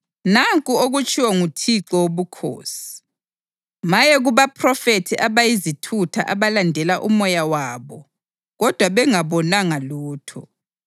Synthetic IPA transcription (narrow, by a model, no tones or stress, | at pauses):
naŋkʼuoɣut͡ʃʼiwɔŋutʰiǁɔwoβukʰo̰ːsi̥ | majɛɣuβapʰrɔfetʰiʔaβajizitʰutʰa̰ʔaβalandʱɛlaʔumɔjawaːβɔ | ɣɔd̥ʱwaβɛŋaβɔnaŋaluːtʰɔ̰